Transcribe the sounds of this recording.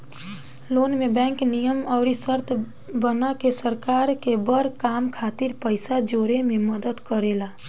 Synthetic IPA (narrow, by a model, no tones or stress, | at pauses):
loːnmẽbɛ̃ːŋknijəmɔːɾisəɾt̪ʰ | bənakesəɾkaːɾkebəɾkaːmkʰaːt̪ɪɾpəɪsad͡ʒoːɾemẽməd̪əd̪kəɾeːlaː